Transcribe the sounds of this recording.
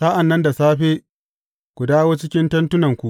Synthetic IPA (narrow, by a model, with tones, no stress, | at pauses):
sa˦ʔa˨nːɐ˦nda˨saː˦ɸeː˦ | kʷu˨daː˦woː˦t͡ʃɪ˦kʲɪ˦ntɐ˦ntʊ˦nɐ˨ŋkʷu˨ʔ